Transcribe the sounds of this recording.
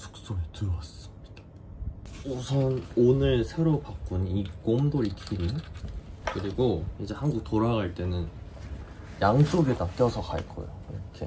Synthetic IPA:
t͡ɕʰu̥k̚s͈oetɯɾas͈ɯ̥mɲid̥ḁ | osʰʌnonɯɭsʰe̞ɾopak͈unik͈omdoikʰiɾi | kɯɾiɡoind͡ʑe̞hanɡuk̚toɾaɡaɭt͈e̞nɯn | jaŋt͡ɕ͈oɡetak͈jʌsʰʌka̰ɭk͈ʌ̰jo̰iɾʌkʰḛ

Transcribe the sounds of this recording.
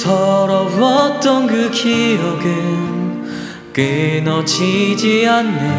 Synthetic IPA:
sʌɾʌbʌt͈ʌnɡɯkʰijʌɡɯ | kenʌt͡ɕʰid͡ʑianːe

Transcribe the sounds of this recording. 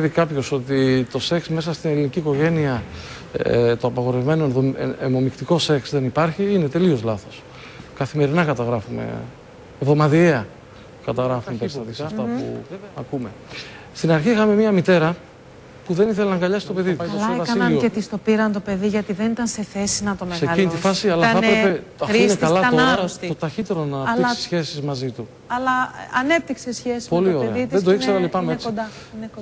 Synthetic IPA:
evikɐpço̞so̞t̪it̪o̞se̞ksme̞sɐst̪ine̞liniciːko̞ʝe̞niɐ | t̪o̞ɐpɐɣo̞ɾe̞vme̞noðoemo̞mikt̪iko̞se̞ksðe̞nipɐɾçiine̞t̪e̞lio̞zlɐθo̞s | kɐθime̞ɾinɐkɐt̪ɐɣɾɐfume̞̰ | vðo̞mɐðieɐ | kɐt̪ɐɣɾɐfumepesɐðisɐft̪ɐpuɐkume̞ | st̪inɐɾçiixɐme̞miɐmit̪e̞ɾɐ | puðe̞niθe̞lenɐŋɡɐʎɐsi̥t̪o̞pe̞ðit̪ɐlɐeɐɐinɐet̪ist̪o̞piɾɐnt̪o̞pe̞ðiʝɐt̪iðe̞nit̪ɐnse̞θe̞sinɐt̪o̞meɣseɐlinit̪ifɐsiɐlɐθɐɐpɾepeɐtinekɐlɐt̪oaɾosiot̪ɐçit̪e̞ɾonɐt̪iksi̥sçe̞sizmɐzit̪u | ɐlɐɐnep̚t̪iksesçesispolioɾeɐðit̪ðed̪oikseɾɐlipɐmmesod̪ɐine

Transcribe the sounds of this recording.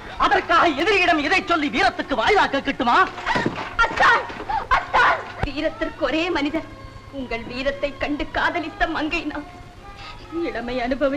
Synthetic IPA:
ɐðɐrkaːɣɐɛðɪɾjɪɽɐmɪðɐɪt͡ʃːɔlːiʋiːɾɐt̪ːɯkːɯʋaːjðaːkːɐkːɪʈːɯmaː | ɐt̪ːaːlɐt̪ːaːlʋiːɾɐt̪ːɪrkɯɔɾeːmɐnɪðɐɾ | ʊŋɡɐɭʋiːɾɐt̪ːɐɪkːɐɳɖɯkːaːðɐlɪt̪ːɐmɐŋɡɐɪnaːl | ɪɽɐmɐɪɐnɯbɐʋɪ

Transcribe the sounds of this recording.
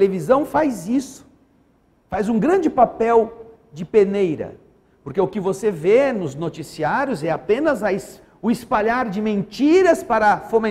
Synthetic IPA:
levizɐ̃w̃fajzisʊ̥ | fajzũɡɾɐ̃nd͡ʒɪpapɛw | d͡ʒɪpenejɾɐ̰ | poɾkeʊkɪvosevenʊznot͡ʃisiaɾjʊzɛapẽnɐzɐɪs | ʊɪspaʎaɾd͡ʒɪmẽnt͡ʃiɾɐspaɾɐfomẽ

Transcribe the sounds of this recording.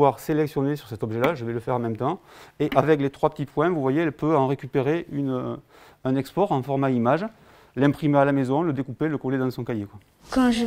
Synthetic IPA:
waʁselɛksjɔnesyʁsɛt̪ɔbʒelaʒəvɛləfɛʁɑ̃mɛmət̪ɑ̃eʔavɛk̬let̪χwapət̪ipwɛ̃vuvwajeɛlpøɑ̃ʁekʲypeʁeʔynø | ɛ̃nɛkspɔʁɑ̃fɔʁmaimaʒ | lɛ̃pχimealamezɔ̃ləd̪ekupeləkɔled̪ɑ̃sɔ̃kajekwa | kɑ̃ʒ

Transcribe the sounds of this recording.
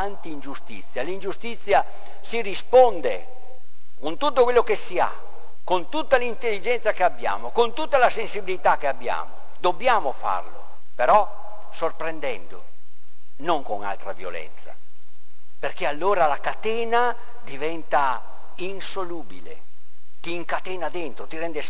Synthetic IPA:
ant̪iːnd͡ʒust̪it̪sːjalind͡ʒust̪it̪sːja | sirispond̪e | kont̪ut̪ːokwelːokesːia̰ | kont̪ut̪ːalint̪elːid͡ʒɛnt̪sakeabːja̰ːmokont̪ut̪ːalasensibilit̪ak̟ːeabːja̰ːmo | d̪obːjaːmofa̰rlo̰ | peɾɔ | sorpɾend̪ɛ̰nd̪o | noŋkoŋa̰lt̪ɾa̰vjo̰lɛ̰nt̪sa̰ | perk̟ealːoːɾalakat̪ɛːna | d̪ivɛnt̪a | insoluːbḭlḛ | t̪iːŋkat̪ɛːnad̪ent̪ɾot̪iɾɛnd̪e

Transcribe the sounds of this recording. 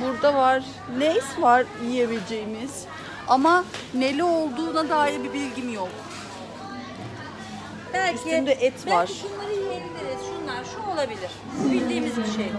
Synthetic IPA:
buɾd̪avaɾ̥ | nejsvaɾijeβed͡ʒejimiz̥ | amane̞lʲɛo̞lˠd̪uːnad̪aːilbibilʲɟimjok | b̥ælʲysʰimnd̪ɛʔɛt̪ʰvaaɾ̥ʃunlˠaɾɯjenid̪eɾɛzʃunlˠaɾʃuolˠabilʲiɾ̥bilʲd̪iːmizbiʃej

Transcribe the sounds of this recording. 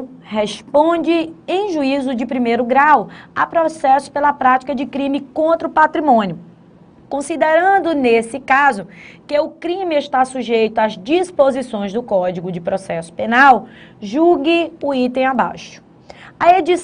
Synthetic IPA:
hespõd͡ʒɪẽj̃ʒuizʊd͡ʒɪpɾimejɾʊɡɾawa̰pɾɔsɛsʊ̥pelɐpɾat͡ʃi̥kɐd͡ʒɪkɾĩmɪkõnt̪ɾɐʊpat̪ɾimõnjʊ | kõsid̪eɾɐ̃nd̪ʊnesɪkazʊkɪʊkɾĩmɪeʃt̪asuʒejt̪ʊazd͡ʒispozisõj̃zd̪ʊkɔd͡ʒiɡʊd͡ʒɪpɾɔsɛsʊ̥penawʒuɡɪʊit̪ẽj̃aba̰ʃʊ̥ | ɐed͡ʒi

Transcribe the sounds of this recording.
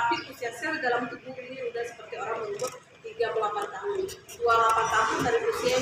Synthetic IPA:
apiusiasɪrdalamt̪ubuiniudahsə̥pərt̪ioɾaŋməŋubʊt̪̚ | t̪iɡabəlapant̪aɦʊndualapant̪aɦʊndaɾipusia

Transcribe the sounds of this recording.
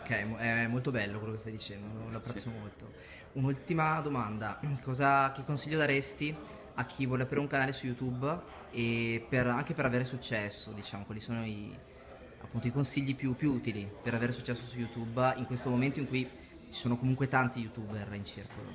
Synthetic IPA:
okɛɛmɛmːolt̪obɛlːokwelokest̪ajd̪it͡ʃɛnd̪ololoapːɾɛt̪sːomolt̪o | unult̪imad̪omand̪akɔːzak̟ekːonsiʎːod̪aɾest̪i | ak̟ʰːivwɔːleapɾiːɾeuŋkanaːlesujut̪ub | eperaŋk̟epeɾaveːɾesut͡ʃːɛsːod̪it͡ʃaːmokwaːlisoːnoi | a̰pːunt̪oikonsiʎːipjupːjuuːt̪ilipeɾaveːɾesut͡ʃːɛsːosujut̪ubiŋkwest̪omoment̪oiŋkuj | t͡ʃi̥soːnokomuŋkwet̪ant̪ijut̪uːberint͡ʃirkʰolo̰

